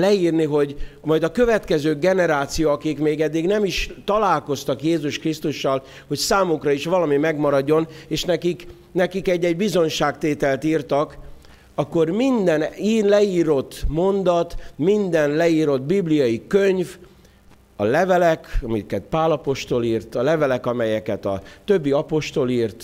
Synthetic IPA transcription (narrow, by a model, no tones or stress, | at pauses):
lɛiːrniɦo̞ɟmɒjd̪ɒkø̞vɛt̪kɛzøːɡɛnɛɾaːt̪sijoɒkikmeːɡɛd̪ːiɡnɛmiʃt̪ɒlaːlko̞st̪ɒkjeːzuʃkrist̪uʃːɒl | ho̞csaːmukrɒiʃʋɒlɒmimɛɡmɒɾɒɟːo̞neːʃnɛkik | nɛkikɛɟːɛɟbizo̞ɲʃaːkt̪eːt̪ɛlt̪iːrt̪ɒk | ɒkːo̞rmind̪ɛniːnlɛiːɾo̞t̪ːmo̞nd̪ɒt̪mind̪ɛnlɛiːɾo̞t̪biblijɒjikøɲv | ɒlɛvɛlɛkɒmikɛt̪paːlɒpo̞ʃt̪o̞liːrt̪ɒlɛvɛlɛkɒmɛjɛkɛt̪ɒ̰t̪øbːiɒpo̞ʃt̪o̞liːrt̪